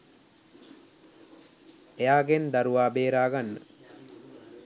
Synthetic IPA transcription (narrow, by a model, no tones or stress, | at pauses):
ejaːɡend̪aɾuʋaːbeːɾaːɡanːə̰